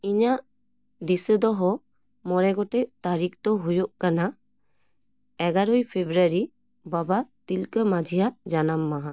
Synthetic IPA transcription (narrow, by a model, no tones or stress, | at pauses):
iɲaʔ | d̪isəd̪ɔɦɔ | mɔɾɛɡɔʈɛʔt̪aɾik̚t̪ɔɦujɔʔkana | ɛɡaɾɔjpʰebɾaɾi | babat̪ilkəmad͡ʒʱijaʔd͡ʒanamːaɦã